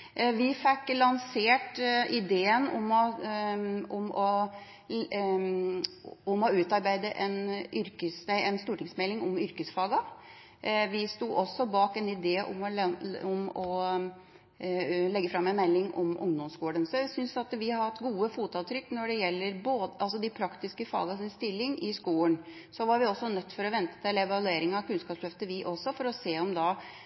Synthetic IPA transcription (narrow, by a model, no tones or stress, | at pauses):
ʋɪfɛkːlɑnseːʈɪd̪eːənɔmɔ | ɔmɔ | ʊmɔʉːt̪ɑɾbæɪd̪əʔɛnʔʏɾkəsæɪɛnst̪uːʈɪŋsmɛlːɪŋɔmʏɾkəsfɑːɡɑ | ʋɪst̪uːʔɔsːɔbɑːkɛnɪd̪eːʔɔ̰mɔɔmɔ | lɛɡːəfɾɑmːɛnmɛlːɪŋʔɔ̰mʔʊ̰ŋd̪ɔmsɡuːɳənsɔjæsʏnsɑt̪ʋɪhɑhɑt̪ːɡuːəfuːt̪ɑːt̪ʰɾʏkːnɔɖɛjɛlːəɾboːd̪ʔɑls̬ɔd̪ɪpʰɾɑkt̪ɪskəfɑ̰ːɡɑsɪnst̪ɪlːɪŋʔɪskuːəɳ | sɔʋɑɾʋɪɔsːɔnœt̪ːfɔɾɔʋɛnt̪ə̥t̪ʰɪlɛʋɑlʉeːɾɪŋɑkʉnskɑːpslœft̪əʋɪʔɔsɔfɔɾɔseːɔmd̪ɑ